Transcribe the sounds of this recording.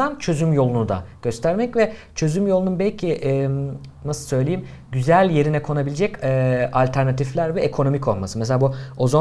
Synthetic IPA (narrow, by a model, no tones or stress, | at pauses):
ant͡ʃʰø̞zymjo̞lˠunud̪a̰ɟ̥ø̞st̪ʰæɾmɛcvɛ | t͡ʃʰø̞zymjo̞lˠununbɛlʲcʰiʔ | nasɯlˠsø̞jlʲejim | ɟyzælʲje̞ɾinɛkʰo̞nabilʲed͡ʒɛcɛalʲt̪ʰæɾnat̪ʰiflʲæɾvɛekʰo̞no̞micʰo̞lˠmasɯmselʲaːbuozo